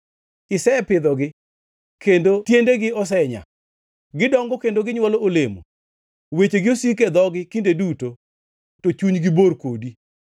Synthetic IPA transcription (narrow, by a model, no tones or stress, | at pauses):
ɪsɛpɪd̪ɔɡɪ | kendotjendeɡɪɔs̬ɛɲa̰ | ɡɪdɔŋɡɔkendoɡɪɲwɔloolemo̰ | wet͡ʃeɡɪosiked̪ɔɡɪkindeduto | tot͡ʃuɲɡɪborkodi